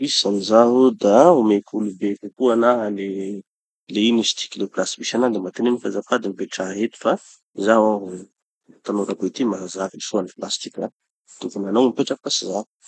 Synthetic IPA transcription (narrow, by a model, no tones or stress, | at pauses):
isanizaɦud̪aumekʰulubekukuanaɦale | leinisi̥t̪i̥kʲileplasi̥biʃanad̪emat̪enenifazafad̪imibeʈ͡ʂaɦɦet̪i̥fa | zawaɦu | t̪anoɾapet̪imaɦazavilisuaniplast̪i̥kʲa | t̪uvunanawmpeʈ͡ʂafkasiza